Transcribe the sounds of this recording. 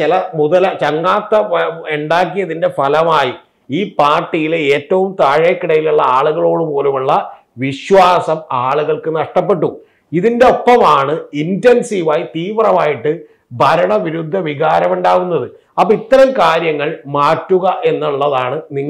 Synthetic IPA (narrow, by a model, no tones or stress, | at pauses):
t͡ɕilɐmuðɐlɐt͡ɕɐŋːaːt̪ːɐeɳɖaːk̬ːijɐðinde̞fɐlɐmaːji | iːpaːrʈːijileeːtːɐʋumt̪aːɻekːiɽɐjiluɭːɐaːɭuɣɐɭo̞ːɽɨpo̞ːlumuɭːɐ | ʋiɕwaːsɐmaːɭuɣɐɭkɨnɐʂʈɐpːe̞ʈːu | iðinde̞o̞pːɐmaːɳɨintensiːʋaːjit̪iːʋrɐmaːjiʈːɨ | bʱɐɾɐɳɐʋiɾud̪ʱːɐʋiɣaːɾɐmuɳɖaːɣunːɐðɨ | ɐpːɐit̪ːɐɾɐmkaːɾjɐŋːɐɭmaːtːuɣɐʔe̞nːuɭːɐðaːɳɨniŋː